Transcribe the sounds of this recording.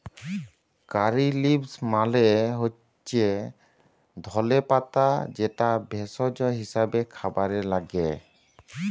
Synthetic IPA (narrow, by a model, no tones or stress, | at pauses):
kaɾilibsmaleɦo | t͡ʃʰe | d̪ʱɔlepat̪ad͡ʒɛʈabʱɛsɔd͡ʒɔɦisabekʰabaɾɛlaɡe